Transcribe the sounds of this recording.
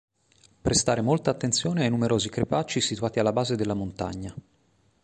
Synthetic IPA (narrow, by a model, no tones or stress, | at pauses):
pɾʔest̪aːɾemolt̪aːt̪ːensjoːneajnumeɾʔoːzikɾepat͡ʃːisit̪uaːt̪ialːabaːzed̪elːamont̪a̰ɲːa